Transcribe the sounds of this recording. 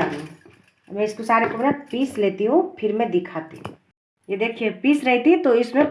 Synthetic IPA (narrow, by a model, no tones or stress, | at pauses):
i | mɛ̃ɪskosaːɾekobnapiːslet̪iɦũpʰɪɾmẽd̪ɪkʰaːt̪ḭɦ | jed̪eːkʰiepiːsɾɛɦt̪it̪oɪsmẽ